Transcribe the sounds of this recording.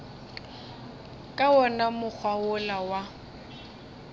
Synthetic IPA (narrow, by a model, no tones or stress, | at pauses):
kʼawɔnamʊk͡xʰwaʊlawa